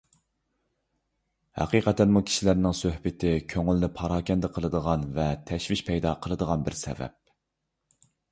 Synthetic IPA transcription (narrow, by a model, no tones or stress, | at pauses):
hæ̰qiːqɛt̪ænmukʲʰi̥ʃilæɾnɪŋsøhbɪt̪ʰɪkʲʰøŋylnɪpʰɑɾɑːkʲɛnd̪ɪqʰəlˠəd̪əʁɑnvɛt̪ʰɛʃvɪʃpʰɛjd̪ɑqʰəlˠəd̪əʁɑnbɪɾsɛ̰vɛ̰p̚